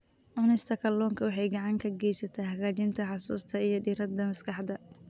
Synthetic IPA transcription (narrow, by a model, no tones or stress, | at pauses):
ʔʊnɪst̪ʰɐkʰɐlːɔːŋkʰɐwɑħɑjɡɑʕɑŋkʰɐɡɛjsɐt̪ʰaːhɐɣaːt͡ʃɪnt̪ʰɐħɑsṵːst̪ʰɐijɞɖiɾɐd̪ɐmɐskʰɑħd̪ɐ